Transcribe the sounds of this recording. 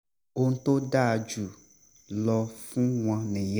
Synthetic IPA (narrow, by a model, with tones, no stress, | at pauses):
wo˦ŋ̩˦t̪o˦ɖa˦˨d͡ʒu˨ | lɔ˨fũ˦ŋ̃˦ã˨nɛ̃˨j